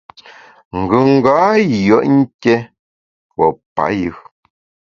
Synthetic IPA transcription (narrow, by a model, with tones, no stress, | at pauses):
ŋ̩˨ɡʉ˨ŋ˦ɡa˨˦jɔ˦˨ʔŋ̩˦ke˦ | wɔ˨pa̰˨jɯ˨